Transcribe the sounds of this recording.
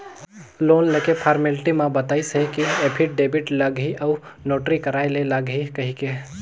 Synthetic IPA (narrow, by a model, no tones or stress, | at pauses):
loːnlekepʰaɾmɪlʈimãbət̪aːisɦekiepʰɪʈ̚ɖeːbɪʈlɐɡɦiʔɐu | noːʈɾikəɾaːjleləɡɦikɐɦike